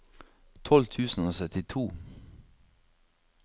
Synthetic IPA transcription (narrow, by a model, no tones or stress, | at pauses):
t̪ʰɔlt̪ʰʉːsn̩oːsœt̪ɪt̪ʰuː